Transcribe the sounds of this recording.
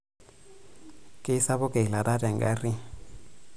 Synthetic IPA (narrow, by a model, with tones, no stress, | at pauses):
kʼɪ˦sa˦βʊ˦kʼe˨i˨la˨da˦dɛ˨ŋ̩ɡa˦rɪ˦